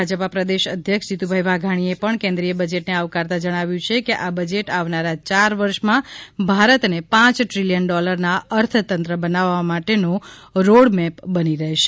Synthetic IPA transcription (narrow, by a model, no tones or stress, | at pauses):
ad͡ʒəpapɾəd̪eʃəd̪ʱjəkʂd͡ʒit̪ubʱajʋaɡʱaɽ̃iepəɳkẽnd̪ɾijəbəd͡ʒeʈneaʋkaɾt̪ad͡ʒəɽ̃aʋjũt͡ʃʰekeʔabəd͡ʒeʈaʋnaɾat͡ʃaɾʋəɾʃmãbʱaɾət̪nepãt͡ʃʈɾilijənɖɔləɾnaəɾt̪ʰt̪ənt̪ɾəbənaʋamaʈenoɾoɽmɛpbəniɾəɦeʃe